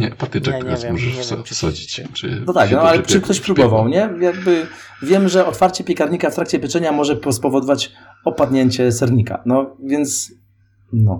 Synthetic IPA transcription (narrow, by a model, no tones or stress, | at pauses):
ɲɛpɔt̪ɨtɛk̪ɾasmɔʐɛʂfsɔ̰d͡ʑit͡ɕt͡ʂɨ̰nɔt̪aknɔalɛt͡ʂɨkt̪ɔɕpɾubbɔvawɲɛjaɡ̚bɘ | vʲjɛmʐɛɔt̪faɾt͡ɕɛpʲjɛkaɾɲikaft̪ɾak̚t͡ɕɛpɘt͡ʂɛɲamɔʐɛpɔspɔvɔd̪ɔvat͡ɕ | ɔpad̪ɲeɲt͡ɕɛsɛɾɲika̰nɔvʲjɛnt̪s | nɔ